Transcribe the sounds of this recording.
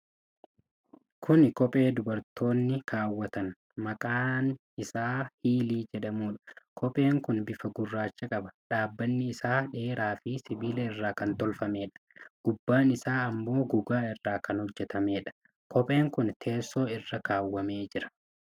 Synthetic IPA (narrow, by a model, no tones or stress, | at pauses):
kʰʊnkɔpʼe̞ːd̪ʊbɐɾt̪ʰo̞ːnːɪkʰaːwːɐt̪ɐn | mɐkʼaːn | ɪsaːhiːliːd͡ʒɛɗɐmuːᶑɐ̥kʰɔpʼe̞ːŋkʊnbɪfɐɡʊrːaːt͡ʃːɐkʼɐbɐᶑaːbːɐnːɪːsaːᶑe̞ːɾaːfɪsɪbiːlɛɪrːaːkɐnt̪ɔlfɐme̞ːᶑɐ̥ɡ̥ʊbːaːnɪsaːɐmːo̞ːɡʊɡaːɪrːaːkɐnhɔd͡ʒːɛt̪ɐme̞ːᶑɐ̥ | kʰɔpʼe̞ːŋkʊnt̪ʰe̞ːsːo̞ːɪrːɐkaːwːɐme̞ːd͡ʒɪɾɐ̥